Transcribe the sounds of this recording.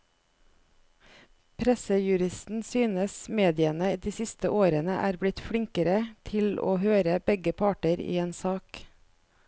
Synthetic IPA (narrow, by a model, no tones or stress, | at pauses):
pʰɾɛsəjʉɾɪst̪n̩syːnəsmeːd̪ɪənəiːd̪iːsɪst̪əʔoːɾənəʔæːɾblɪt̪fɽɪŋkəɾət̪ʰɪlo̰ːhøːɾəbɛɡəpʰɑːʈəɾḭːeːnsɑːk